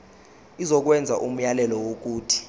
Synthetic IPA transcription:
izɔk̬wɛnd͡zʱaʔum̩jalɛlɔwok̬uːtʰi̥

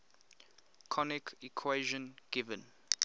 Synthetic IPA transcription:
kʰɔnikʰikʰweʒɔ̃nɡ̥ivə̃n

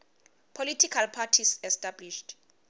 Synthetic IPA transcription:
pʰolitʰikʰalpʰatʰisɛstʼabliʃt

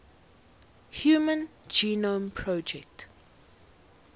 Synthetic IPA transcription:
hjuːmə̃nd͡ʒiːnõmpʰɹɔd͡ʒɛk̚t

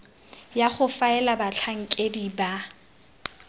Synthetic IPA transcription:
jaχʊfaɛlabat͡ɬʰaŋ̩kʼediba

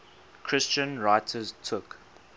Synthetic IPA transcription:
kʰɹ̥ɪst͡ʃə̃nɹaɪtʰəztʰʊk

